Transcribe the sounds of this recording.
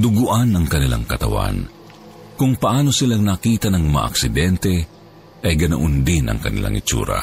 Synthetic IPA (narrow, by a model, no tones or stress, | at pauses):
d̪ʊɡʊʔanɐŋkɐnɪla̰ŋkɐt̪ɐwa̰n | kʊŋpɐʔaːno̞sɪlaŋnakiːt̪ɐnɐŋmɐa̰ʔɐ̰ksɪd̪ɛnt̪ɛ | ʔɐjɡɐnɐʔʊnd̪ɪnʔɐ̰ŋkɐnɪ̰lʔa̰ŋʔɪ̰t͡ʃṵːɾɐ̰